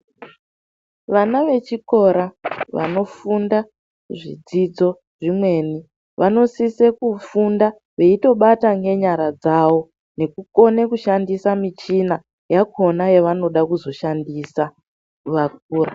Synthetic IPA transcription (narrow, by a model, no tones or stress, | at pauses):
ʋanaʋe̞t͡ʃiko̞ɾaʋa̰no̞funda | ʐḭd͡zid͡zo̞ | ʐimwe̞ːni | ʋʔano̞sise̞kufunda | ʋe̞ito̞ɓataŋɡe̞ɲaɾad͡zawo̞ | ne̞kuko̞nekuʃandisamit͡ʃina | jako̞najeʋano̞ɗakuzo̞ʃandisa | ʋak̚uːra